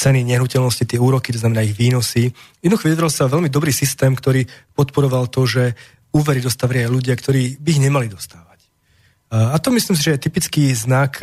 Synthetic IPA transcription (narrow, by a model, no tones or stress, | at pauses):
t͡sɛniɲɛɦnucɛlnɔscit̪ɪɛuːɾɔki̥t̪ɔznamɛnaiɣʋiːnɔsijɛd̪nuxɔʋid̪dɾɛlsaɔʋɛlmid̪ɔbɾiːsist̪ɛːmkt̪ɔɾiːpɔt̪pɔɾɔʋalt̪ɔʒɛ | uːʋɛɾid̪ɔst̪aʋɾɪaaluɟɪakt̪ɔɾiːbiːɣɲɛmalid̪ɔst̪aːʋac | at̪ɔmislims̬iʒɛjɛt̪ipit͡skiːznak